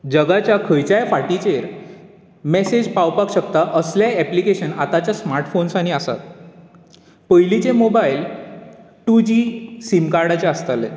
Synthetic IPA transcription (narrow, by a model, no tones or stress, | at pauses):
d͡ʑəɡat͡ɕjakʰəjt͡ɕajfaʈit͡ɕeɾ | mɛsed͡ʑpawpakɕək̚t̪aʔəsljaɛplikeɕənat̪at͡ɕjasmaɾʈfonsaɽ̃iəsa̰t̪̚ | pəjlit͡ɕemobail | ʈud͡ʑisimkaɾɽat͡ɕeəst̪ale